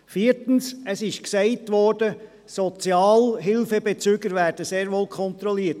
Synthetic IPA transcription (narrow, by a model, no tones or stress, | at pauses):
fiːəɾtən̩səsɪʃksɛɪtʋɔːrd̥ə | sɔt͡sjɑːlɦɪlfəbɛt͡syɡəɾʋæːɾd̥əseːɾʋoːlkʰɔnt̪ɾɔliːət